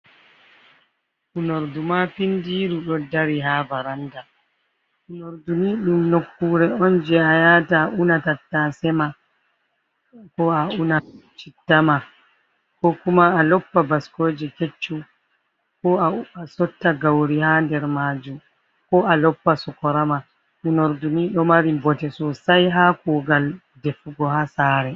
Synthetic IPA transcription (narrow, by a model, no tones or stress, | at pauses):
ʔunoɾdumapindiːɾuɗɔdaɾiɦavaɾanda | ʔunoɾdumiɗumnokːuːɾɛɔnd͡ʒɛajataʔunatatːasɛma | kɔaunat͡ʃitːama | kɔkumaːlɔpːabaskoːd͡ʒiket͡ʃːu | kɔaasɔtːaɡawɾihandɛɾmaːd͡ʒum | kɔʔalɔpːasɔkɔɾama | unoɾdumiːɗɔmaɾibɔtɛsɔsajɦakuːɡal | defuɡɔhasaːɾɛ